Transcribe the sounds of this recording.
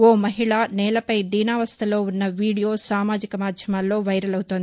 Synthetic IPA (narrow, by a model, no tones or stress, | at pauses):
oːmɐɦiɭanɛːlɐpɐjd̪iːnaːʋɐst̪ʰɐlo̞ːunːɐʋiːɽijo̞ːsaːmaːd͡ʒikɐmaːd̪ʱjɐmaːlːoːʋɐjɾɐlɐwut̪ond̪i